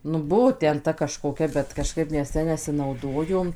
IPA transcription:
nʊ ˈbʊʋoː ˈtʲɛn ˈtɐ kɐʃkoːˈkʲɛ bʲɛt kɐˈʃkɐɪp ˈmʲɛs ˈjɛ nʲɛsʲɪnɐʊˈdoːjoːm

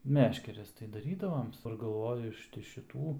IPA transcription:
ˈmʲæːʃʲkʲɛrʲɛs tɐɪ dɐˈrʲiːdɐʋoːms ɡɐlˠˈʋoːjʊ ˈɪʃ tʲɪ ʃʲɪˈtuː

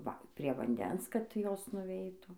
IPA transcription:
ˈʋɐ pʲrʲiɛ ʋɐnʲˈdʲɛns kɐt ˈjoːs nʊˈʋʲɛɪtuː

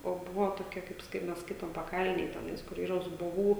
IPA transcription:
oː ˈbʊʋoː toːˈkʲɛ kɐɪp ˈskɐɪ mʲɛs ˈskɐɪtoːm pɐˈkɐlʲnʲeːj tʲɛˈnɐɪs kʊr ˈiːrɐ zʊboːˈʋuː

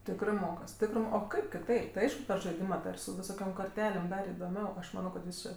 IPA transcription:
ˈtʲɪkrɜ ˈmoːkɐs ˈtʲɪkrɜ oː ˈkɐɪp kʲɪˈtɐɪp tɐɪ ˈɐɪʃkʊ pʲɛr ʒɐɪˈdʲɪmɐ tɐɪ ɪr sʊ ʋʲɪˈsoːkʲoːm koːrʲˈtʲæːlʲeːm ˈdɐr ɪdoːˈmʲɛʊ ˈɐʃ ˈmɑːnoː kɐt ʋʲɪˈsɜ

